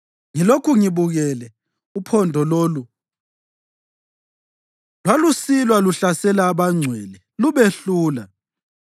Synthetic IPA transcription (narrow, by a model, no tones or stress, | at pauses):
ŋilokʰuŋiβuɣɛlɛ | upʰɔndʱɔloːlu | lwalusilwaluɬasɛlaːβaŋ͡ǀʱwɛlɛ | luβeɬuːla